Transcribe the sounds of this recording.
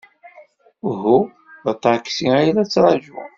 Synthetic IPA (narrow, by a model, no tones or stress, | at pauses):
ɦu | ðət̪ˤːɑkːsiæjlæt͡sːɾˤɑʒṵ